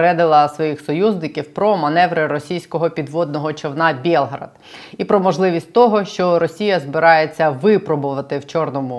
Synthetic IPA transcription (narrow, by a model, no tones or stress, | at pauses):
ɾɛd̪ɪlˠɐsʋɔjixsɔjuznɪkʲiwpɾɔmɐnɛʋɾɪɾɔsʲijsʲkɔɦɔpʲid̪ʋɔd̪nɔɦɔt͡ʃɔwnɑbʲɛlˠɦɾɐ̰d̪̥ | ipɾɔmɔʒlˠɪʋʲisʲtʲt̪ɔɦɔʃt͡ʃɔɾɔsʲijɐzbɪɾɑjet͡sʲːɐʋɪpɾɔbʊʋɐt̪ɪwt͡ʃɔrnɔmʊ